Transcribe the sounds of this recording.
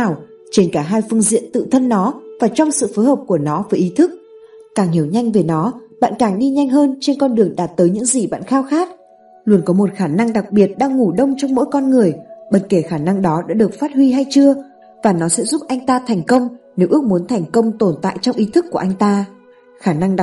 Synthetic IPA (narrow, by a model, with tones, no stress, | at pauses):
aː˨˩w | t͡ɕe˧˩nkaː˧˩ɦaː˧jfɨ˧əŋzḭ˧˨ənt̪ɨ̰˧˨t̪ʰə˧nːɔ˨˦vaː˨˩t͡ɕɔ˧wŋ͡msɨ̰˧˨foː˨˦jhəː˨˩p̚ku˧˩ənɔ˨˦vəː˨˦jʔi˨˦t̪ʰɨ˦˥k̚kaː˨˩ŋhi˧˩əwɲa˧jŋ̟ve˨˩nɔ˨˦ɓa̰ː˧˨nkaː˧˩ŋɗi˧ɲa˧jŋ̟ɦəː˧nt͡ɕe˧nkɔ˧nɗɨ˨˩əŋɗaː˨˩t̚t̪əː˨˦jɲɨ̰˧˥ŋzi˨˩ɓa̰ː˧˨nxaː˧wxaː˦˥k̚ | lu˧˩ənkɔ˨˦mo˨˩t̚xaː˧˩na˧ŋɗa˨˩k̚ɓi˨˩ət̚ɗaː˧ŋːu˧˩ɗə˧wŋ͡mt͡ɕɔ˧wŋ͡mmo̰˧˥jkɔ˧nŋɨ˨˩əjɓə˨˧˩t̚ke˧˩xaː˧˩na˧ŋɗɔ˨˦ɗa̰ː˧˥ɗɨ˨˩ək̚faː˦˥t̚hwi˧ɦa˧jt͡ɕɨ˧ə | vaː˨˩nɔ˨˦sɛ̰˧˥zu˦˥p̚ʔa˧jŋ̟t̪aː˧t̪ʰɛ˨˩jŋ̟kə˧wŋ͡mne˨˦wʔɨ˦˥ək̚mu˨˦ənt̪ʰɛ˨˩jŋ̟kə˧wŋ͡mt̪o˨˩nt̪a̰ː˧˨jt͡ɕɔ˧wŋ͡mʔi˨˦t̪ʰɨ˦˥kːu˧˩əʔa˧jŋ̟t̪aː˧ | xaː˧˩na˧ŋɗa˨˩